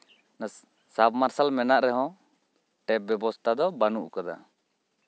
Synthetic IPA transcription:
nas | sabmaɾsalmɛnaʔɾɛɦɔ̃ | ʈɛp̚bjɔbɔst̪ʰad̪ɔbanuʔkad̪a̰

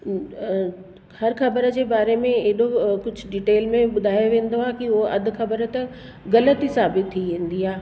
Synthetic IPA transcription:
hɐɾxɐbəɾəd͡ʑeːbaːɾemẽeɦɪɗokʊd͡ʑʱʊ̆ɖiʈeːlmẽɓʊd̪ʱaːjoʋẽːnd̪oaːkioʔɐd̪ʱʊ̆xɐbəɾət̪ɐ | ɣɐlət̪isaːbɪt̪ʰːiʋẽːn̆d̪iaː

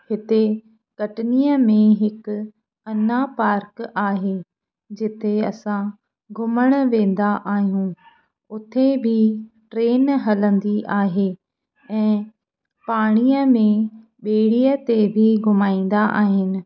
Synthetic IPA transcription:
hɪt̪e | kɐʈɪnijəmẽɦɪk | ɐnapaːɾkaːɦeː | d͡ʑɪt̪ʰeɐsã | ɡʱʊməɽ̃ʋẽːn̆d̪aʔaːɦijũ | ʊt̪ʰebʱɪʈɾeːnɦɐlə̃nd̪iʔaːɦe | ɛ̃ː | paːɽ̃iəmẽ | ɓeːɽiət̪ebʱiɡʱʊmaːĩːn̆d̪aʔa̰ːɦɪnɪ̆

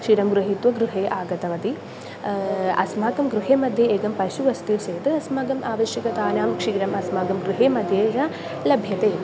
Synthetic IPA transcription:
kʂiːɾɐmɡɾuɦit̪ʋɐɡɾuɦeːʔaːɡɐt̪ɐʋɐt̪i | ɐ̰smaːɡɐmɡɾuɦeːmɐd̪ʱjɐeːɡɐmpɐʃuʋɐst̪iːɾseːʋt̪ɨɐsmaːɡɐmʔaːʋɐʃjɐkɐt̪aːnaːmkʂiːɾɐmɐsmaːɡɐmɡɾuɦeːmɐd̪ʱjeːɾɐ | lɐbʱjɐt̪eː

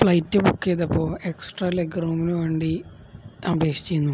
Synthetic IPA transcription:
fɭɐjtːɨbukːeðɐpːo̞ːeksʈrɐleɡroːminɨʋe̞ːɳɖi | ɐbʱeːkʂi̥t͡ɕːejunːu

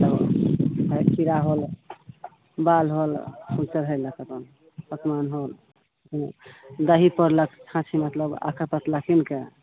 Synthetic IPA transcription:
əbɦəkʰiɾaɦol | balɦolsũt͡ʃəɾɦəjləkəp̪ən | pək̪manɦol | d̪əɦipəɾləkʰt͡ʃʰãt͡ʃʰimət̪ləba̰kʰəɾpət̪lakʰinke

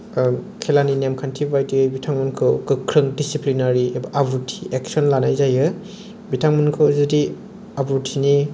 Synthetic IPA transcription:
kʰelaninemkʰantʰibajtiɯjbitʰaŋmɐnkʰɯkɯkʰːɾɯŋdisiplinaɾibʔabutʰi̥ʔek̚sɔnlanajzajɯ | bitʰaŋmɯnkʰɯwzɯdi | abutʰini

